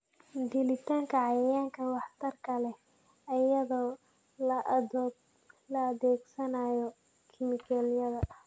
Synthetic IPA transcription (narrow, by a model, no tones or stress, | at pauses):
d̪ɪlɪt̪ʰaːŋkʰɐʕɑjɐjaːŋkʰɐwɑħt̪ʰɐrkʰɐlɛ | ɐjɐðɔː | lɐːðɛːɡsɐnajɔ | kʰɪmɪkʰɛlijɐðɐ